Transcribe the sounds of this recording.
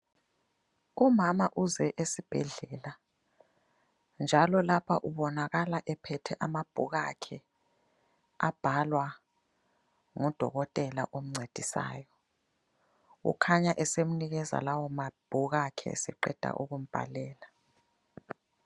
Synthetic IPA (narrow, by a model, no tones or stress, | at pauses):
umamaʔuzɛʔesib̥ʱɛɮɛla | nd͡ʒʱalɔlapʰaʔuβɔnaɣalaʔɛpʰɛtʰɛʔamab̥ʱuɣa̰kʰɛ | ab̥ʱalwa | ŋɔd̥ʱɔɣɔtʼɛla̰ʔom̩ŋ͡ǀʱed̥ʱisa̰ːjɔ | ɣṵkʰaɲaʔɛsemuniɣɛza̰lawɔmab̥ʱuɣakʰɛ̰sɛ̰ǃɛ̰d̥ʱa̰ʔuɣum̩b̥ʱa̰lɛːla